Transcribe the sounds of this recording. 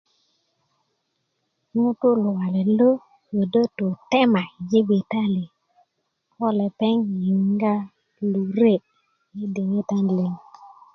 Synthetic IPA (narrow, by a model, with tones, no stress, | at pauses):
ŋu˦tu˦lu˨wa˨le˨lo˦ | jo˨də˦to˨tɛ˦ma˨je˦bi˨ta˦li˨ | kɔ˦le˨pɛ˦ŋji˨ŋɡa˦ | lu˨ɾe˦˨ | ji˦de˨ŋe˦ta˦nle˨ŋ